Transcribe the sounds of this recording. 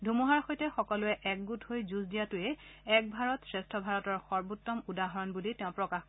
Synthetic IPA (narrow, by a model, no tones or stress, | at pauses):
dʱumuɦaɹxojtɛxɔkɔlʊɛʔɛk̚ɡuthojzusdijatʊɛɛk̚bʱaɹɔtsɹɛstʰɔbʱaɹɔtɔɹxɔɹbutːɔmudaɦɔɹɔnbuliteʊ̃pɹɔkax